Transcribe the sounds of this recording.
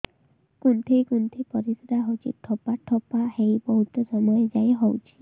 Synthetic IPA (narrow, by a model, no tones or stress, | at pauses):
kunt̪ʰejkunt̪ʰepɔɾisɾaɦot͡ʃʰḭʈʰːɔpapʈʰɔpaɦejbɔɦut̪ɔsɔmɔjɔd͡ʒajɦowt͡ʃʰi̥